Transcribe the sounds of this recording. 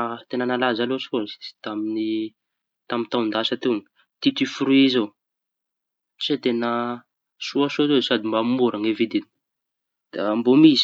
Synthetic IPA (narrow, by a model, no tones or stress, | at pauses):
t̪enənalazalosfoni̥i̥t̪amini | t̪amint̪awnd̪asat̪en | t̪it̪ifuɾuiizo | t͡ʃet̪enə | suasozosad̪imbamuɾaŋevid̪in | d̪̥ambomiz̥